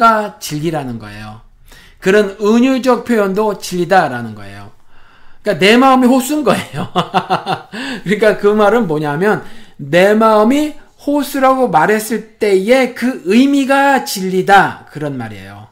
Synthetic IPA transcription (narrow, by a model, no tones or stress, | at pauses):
ɡat͡ɕiʎɡiɾanɯnɡʌ̰e̞̰jo̰ | kɯɾʌnɯɲud͡ʑʌk̚pʰjojʌndot͡ɕiʎːidaɾanɯnɡʌ̰e̞̰jo̰ | k͈anemaɯmihos͈ʰɯnɡʌejo | kɯɾik͈akɯmaɾɯnmoɲamjʌnːe̞maɯmi | hosʰɯɾaɡomaɾɦe̞s͈ɯɭt͈e̞je̞kɯɯjmiɡat͡ɕiʎːidakɯɾʌnma̰ɾḛjo̰